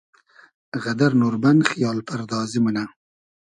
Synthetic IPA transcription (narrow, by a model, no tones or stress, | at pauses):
ɣad̪aɾnuɾbanxijɑːlpaɾd̪ɑːzimuna